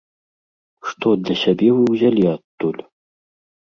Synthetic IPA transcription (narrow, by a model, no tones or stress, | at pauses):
ʂt̪ʰod̪ɐɕabʲevɨwʑʲalʲiat̪ːulʲ